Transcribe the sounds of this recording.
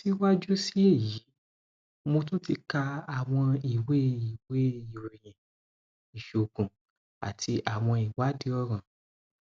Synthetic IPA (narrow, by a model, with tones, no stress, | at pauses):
ti˦wa˦d͡ʒu˦si˦e˦˨ji˨˦ | mo˧tũ˦ti˧ka˧a˨w̃ɔ̃˧i˨we˦i˨we˦i˨ɾi˨j̃ɛ̃˨ | i˨ʃo˨ɡũ˨ | a̰˨tʰi˧ʔa˨w̃ɔ̃˧i˨wa˨˦di˧˦ɔ˦˨ɾ̃ã˨